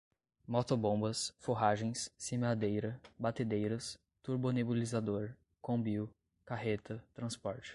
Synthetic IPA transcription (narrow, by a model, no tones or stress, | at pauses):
mɔt̪obõbɐsfoɦaʒẽj̃sːimad̪ejɾɐbat̪ed̪ejɾɐs | t̪uɾbonebulizad̪oɾ | kõbiw | kaɦet̪ɐt̪ɾɐ̃spɔɾt͡ʃɪ̥